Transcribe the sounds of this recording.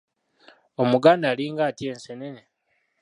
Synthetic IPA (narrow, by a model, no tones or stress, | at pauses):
o̞muɡaːndaːliːŋɡaːtie̞ːnsenene